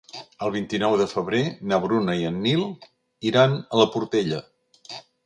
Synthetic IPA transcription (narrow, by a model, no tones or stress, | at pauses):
əlˠβint̪inɔwðəfəβ̞ɾenəβɾunəiənːilˠ | iɾanələpuɾt̪eʎə